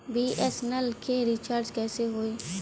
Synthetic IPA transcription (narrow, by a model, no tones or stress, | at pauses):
biːʔɛsnəlkʰeɾɪt͡ʃaːɾd͡ʒkɛːseɦoːiː